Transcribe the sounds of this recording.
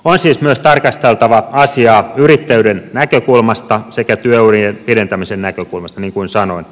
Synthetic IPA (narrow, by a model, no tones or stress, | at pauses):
onsiːsmyøst̪ɑrkɑst̪elt̪ɑʋɑɑsiɑːyrit̪ːæydennækøkulmɑst̪ɑsekæt̪yøyrienpiɾent̪æmisennækøkulmɑst̪ɑniːŋkuinsɑnoin